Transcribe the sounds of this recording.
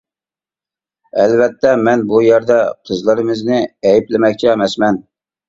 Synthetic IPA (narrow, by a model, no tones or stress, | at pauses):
ɛlvɛt̪ʰːɛmɛnbujæɾd̪ɛqʰəzlˠəɾɨmɨznɪɛjiplɪmɛkʲt͡ʃʰɛːmɛsmɛn